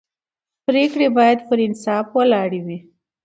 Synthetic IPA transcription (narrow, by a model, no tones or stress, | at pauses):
pɾekɽebɑjad̪pəɾɪnsɑfwalɑɽiwi